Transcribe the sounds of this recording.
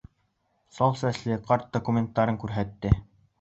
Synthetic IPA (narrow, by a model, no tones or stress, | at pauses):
sɒlˠsæslɘqɑɾt̪̚d̪okumʲent̪ːɑɾɤŋkʉɾɦæt̪ːɘ